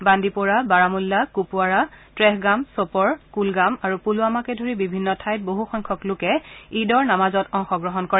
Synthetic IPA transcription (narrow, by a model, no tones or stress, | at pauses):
bandipɔɹabaɹamulːakupuaɹatɹɛɦɡamsopɔɹkulɡamaɹupuluamakɛdʱoɹibibʱinːɔtʰajt̚boɦuxɔjŋkʰɔklʊkɛidɔɹnamazɔtɔŋxɔɡɹɔɦɔnkɔɹɛ